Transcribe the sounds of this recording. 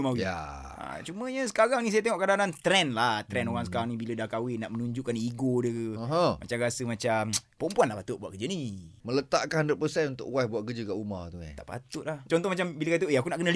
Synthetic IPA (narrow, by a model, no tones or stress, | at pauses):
mawija̰ | t͡ʃumə̃ɲəsə̥kaɾaŋnis̬ajat̪eŋɔʔkadanant̪ɾɛnlaht̪ɾɛnoɾaŋs̬əkaɾaŋnibilədahkawɪnaʔmənuɲd͡ʒuʔkaniɡodəəəɦə̃ma̰t͡ʃaɾasəmat͡ʃampəɔmpuanlahpat̪ʊʔbua̰ʔkəd͡ʒənimələt̪a̰ʔkanəndət̪̚pərsɛnunt̪ʊ̰ʔwasbuaʔkəd͡ʒəkaʔuma̰ht̪ua̰t̪a̰ʔpa̰t̪ʊʔ̪̚laht͡ʃɔnt̪ɔhmat͡ʃambiləkat̪əeakunaʔkənəl